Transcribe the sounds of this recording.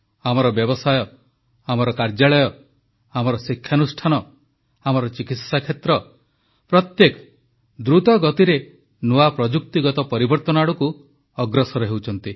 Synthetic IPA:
amɔɾɔbjɔbɔsajɔ | amɔɾɔkaɾd͡ʒaɭɔjɔ | amɔɾɔsikʰːjanusʈʰanɔ | amɔɾɔt͡ʃikit̪sakʰet̪ɾɔ | pɾɔt̪jekɔ̥ | d̪ɾut̪ɔɡɔt̪iɾe | nuapɾɔd͡ʒuk̚t̪iɡɔt̪ɔpɔɾibɔɾt̪ɔnaɽuku | ɔɡɾɔsɔɾɔɦewt͡ʃʰɔnt̪i

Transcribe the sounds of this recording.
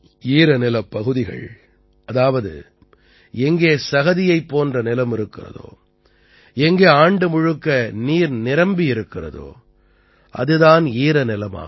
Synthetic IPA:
iːɾɐnɪlɐpːɐɣɯðɪɣɐ̰ɭ | ɐðaːʋɐðɯ̰ | ɛŋɡeːsɐɣɐðɪjɐɪpːoːndrɐnɪlɐmɪɾɯkːɪ̰rɐ̰ðo̰ː | ɛŋɡeːaːɳɖɯmʊɻɯkːɐniːɾnɪɾɐmbɪjɪɾɯkːɪrɐ̰ðo̰ː | ʔɐ̰ðɯðaːniːɾɐnɪlɐma̰ː

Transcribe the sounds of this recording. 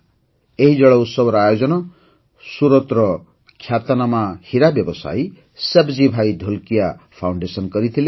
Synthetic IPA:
eɦid͡zʌɽʌut̪sʌbɾajod͡zʌnʌ | suɾʌt̪rʌ | kʰjat̪anamahiɾabjʌbʌsa̰j | sebd͡zibʱajd̪ʱolkijapʰawɳɖesʌnkʌɾit̪ʰile

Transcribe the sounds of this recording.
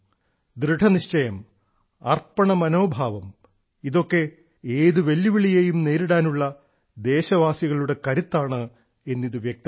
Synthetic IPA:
d̪ɾɨʈʰɐniɕt͡ɕɐjɐm | ɐrpɐɳɐmɐno̞ːbʱaːʋɐm | iðo̞kːe̞ | eːðuʋe̞lːiʋiɭijejumne̞ːɾuɽaːnuɭːɐ | d̪e̞ːɕɐʋaːsjiɣɐɭuɽe̞kɐɾit̪ːaːɳɨ | e̞nːiðɨʋjɐk̚t̪ɐ

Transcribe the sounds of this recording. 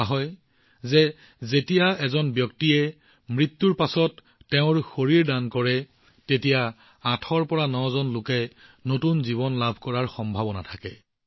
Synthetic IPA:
aɦɔj | zɛ | zetijaɛzɔnbjɔk̚tiɛ | mɹitːuɹpasɔtː | ɛʊ̃ɹxoɹiɹdankɔɹɛ | tetija | atʰɔɹpɔɹanɔzɔnlʊkɛnotunziβɔnlabʱkɔɹaɹxɔmbʱabɔnatʰakɛ̰

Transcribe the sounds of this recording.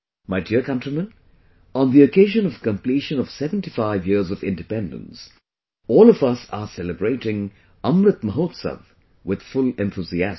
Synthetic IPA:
maɪdiɹkʌ̃ntɹ̥imə̃n | ə̃nðiokeɪʒə̃nʌv̥kə̃mpliʃə̃nʌv̥sɛvə̃ntifaɪvjɪɹzɔvɪ̰̃ndɨpɛ̃ndə̰̃ns | ɔːlˠɔvʌsa̰sɛləbɹeɪɾɪ̃ŋ | ʌ̃mɾɨt̪̚məɦoːt̪sə̰v | wɪð̥fʊlɛ̃nθuziæs

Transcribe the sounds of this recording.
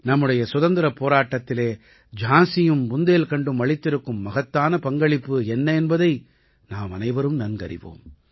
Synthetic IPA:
nɐmːɯɽɐjɐsʊðɐnd̪ɪɾɐpːoːɾaːʈːɐt̪ːɪleː | d͡ʒaːsɪjɯmbʊnd̪eːlkɐɳɖɯmʋɐɭɪt̪ːɪɾɯkːɯmːɐɣɐt̪ːaːnɐpɐŋɡɐɭɪpːɯɛnːɐɛnbɐðɐɪ | naːmɐnɐɪʋɐɾɯmnɐnɡɐɾɪ̰ʋo̰ːm

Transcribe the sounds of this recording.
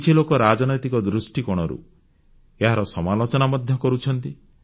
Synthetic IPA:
t͡ʃʰilokɔɾad͡ʒɔnɔjt̪ikɔd̪ɾusʈikɔɽ̃ɔɾṵ | eɦaɾɔsɔmalot͡ʃɔnamɔd̪ʱjɔkɔɾut͡ʃʰɔnt̪i

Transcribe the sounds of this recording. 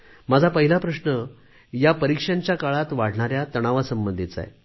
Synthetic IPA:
mad͡zʱapəɦilapɾəʂɳə | japəɾikʂjãɲt͡ɕjakaɭat̪ʋaɽ̤ɳaɾjat̪əɽ̃aʋasəmbənd̪ʱit̪t͡sa̰e

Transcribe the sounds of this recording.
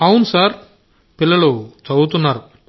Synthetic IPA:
ɐwunusaːɾ | pilːɐɭut͡sɐwut̪unːaːɾu

